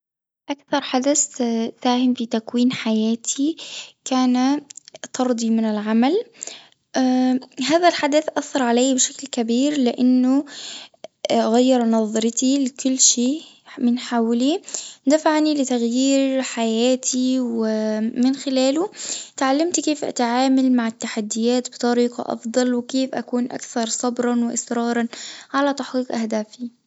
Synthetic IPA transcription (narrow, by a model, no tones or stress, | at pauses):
ʔakθɑɾˤħad̪asfaːhɪmfit̪akwiːnħajaːt̪ʰikaːnat̪ɑɾˤd̪ˤimɪnɪlʕamal | ɦaːðalħad̪aθʔaθːɑɾˤʕalajːbɪʃaklkabiːɾlɪʔanːʊ | ɣajːɑɾnɑðˤɾɪt̪ilɪkʊlːʃeːʔ | mɪnħaːwlid̪afaʕnilɪt̪aɣjiːɾħajaːt̪ʰiwɪmɪnxɪlaːlʊt̪ʕalːamt̪keːfʔa̰t̪aʕaːmalmaʕɪt̪ːaħad̪ːɪjaːt̪bɪt̪ˤɑɾiːqɑ̰ʔɑ̰fd̪ˤɑlwɪkeːfʔa̰kuːnʔa̰kθɑɾˤsˤɑbɾˤɑnwɪʔɪsɾɑːɾˤɑnʕalat̪aħqiːqʔahd̪aːfi